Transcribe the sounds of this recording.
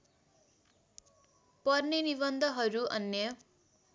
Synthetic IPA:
pʌrnenibʌnd̪ʱʌɦʌɾuʌ̰njʌ

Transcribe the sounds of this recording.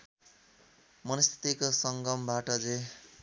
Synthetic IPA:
mʌnʌst̪ʰi̥t̪ikosʌŋɡʌmbaʈʌd͡ze

